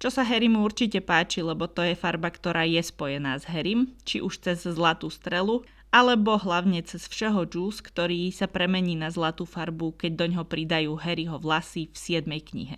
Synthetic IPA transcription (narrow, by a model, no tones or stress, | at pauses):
t͡ʃɔsaɦɛɾimuuɾt͡ʃicɛpaːt͡ʃilɛbɔt̪ɔjɛfaɾbakt̪ɔɾaːjɛspɔjɛnaːzɦɛɾimt͡ʃiʔuʃt͡sɛzːlat̪uːst̪ɾɛlu | ʔalɛbɔɦlaʊɲɛt͡sɛsfʃɛɦɔd͡ʒuːskt̪ɔɾiːsapɾɛmɛɲiːnazlat̪uːfaɾbukɛɟ̚d̪ɔɲɦɔpɾid̪ajuːɦɛɾiɦɔʋlasifsɪɛd̪mɛjkɲḭɦɛ̰